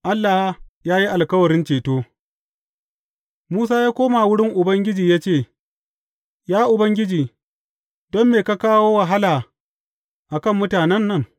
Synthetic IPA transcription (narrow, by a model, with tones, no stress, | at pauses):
ʔa˦lːa˨hjaː˦ji˦ʔa˨lkɐ˦wɐ˨ɾɪ˦nt͡ʃeː˨toː˦ | muː˦s̬aː˦jaː˦kʷoː˦ma˨wʊ˦ɽɪ˦ŋʔʊ˨bɐ˦ŋɡʲɪ˦d͡ʒiː˨jaː˦t͡ʃeː˦˨ | jaː˦ʔʊ˨bɐ˦ŋɡʲɪ˦d͡ʒiː˨ | d̥ɔ˦mːeː˨ka˦kaː˦woː˦wa˨ɦa˦laː˨ | ʔa˨kɐ˦˨mːʊ˦taː˨nɛ˦nːɐ˦ŋ